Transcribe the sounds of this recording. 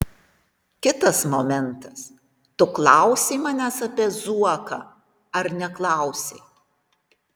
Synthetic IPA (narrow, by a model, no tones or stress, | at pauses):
kʲɪt̪ɐsmomʲɛnt̪ɐs | t̪ʊklˠɑˑʊsʲeːmɑnʲæsɐpʲiɛzuɔkɑ̰ː | ɐɾnʲɛklˠɑˑʊsʲḛ